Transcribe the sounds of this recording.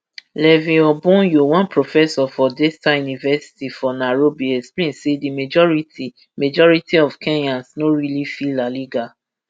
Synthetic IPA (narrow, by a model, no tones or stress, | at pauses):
lɛvĩɔbũjowãnpɹofɛsɔfɔdɛstajunivɛsi̥tifɔnaɹobiɛksplẽnsedimed͡ʒɔɹiti | med͡ʒɔɹitʰiɔv̥kʰɛ̃njãnsnoɹilifilaliɡa